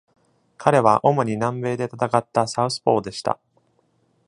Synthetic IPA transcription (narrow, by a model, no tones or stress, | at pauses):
kʰaɾe̞βaʔo̞mo̞ɲ̟inãmbe̞ːd̪e̞t̪at̪akat̪ːasaɯ̟sɨ̥po̞̰ːd̪e̞ɕi̥t̪a̰